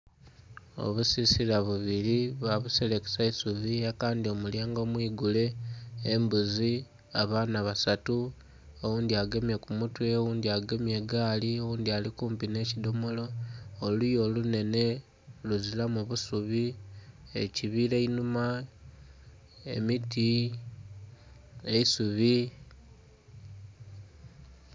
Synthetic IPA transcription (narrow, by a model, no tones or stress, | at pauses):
o̞̰βusisilaβuβiliβaβuseleki̥saisuβiakaːndio̞muljaːŋɡo̞ːmwiːɡule̞ː | mbuzi | aβaːnaβasatu | o̞wuːndiaɡe̞mje̞kumutwe̞wuːndiaɡemje̞ɡaːliowuːnd̪ialikuːmpine̞cido̞mo̞lo̞ːlujo̞lune̞ne̞ | luzilamuβusuβi | e̞̰ciβile̞inuma | e̞̰miti | eisuβi